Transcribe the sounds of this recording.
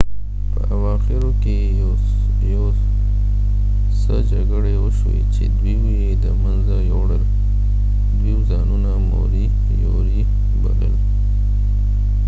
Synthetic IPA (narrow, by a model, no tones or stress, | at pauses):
pəʔawɑxɪɾoke | jo | səd͡ʒaɡəɽeoʃwḛt͡ʃḛd̪wiwijed̪əmanzajoɽəl | d̪wiwzɑnunamo̰ɾi | joɾi | ba̰lə̰l